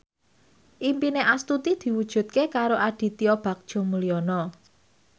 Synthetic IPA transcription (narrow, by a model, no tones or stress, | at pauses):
ʔimpineʔast̪ut̪id̪̥i̤wud̥ʒ̥ṳt̪̚kekaɾoʔad̪̥i̤t̪iɔb̥ä̤k̚d̥ʒ̥ɔ̤muliɔnɔ